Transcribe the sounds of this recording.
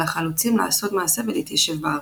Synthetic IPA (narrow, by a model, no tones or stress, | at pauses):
aχalut͡simla̰ːso̞t̪maːse̞veleit̪jaʃevbaa